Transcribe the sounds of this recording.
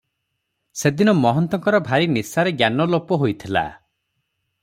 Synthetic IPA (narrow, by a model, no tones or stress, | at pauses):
sed̪inɔmɔɦɔnt̪ɔŋkɔɾɔbʱaɾinisaɾeɡjanɔlopɔɦojt̪ʰila̰